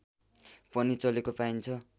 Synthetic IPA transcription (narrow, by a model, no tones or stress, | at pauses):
pʌnit͡sʌlekopaint͡sʰʌ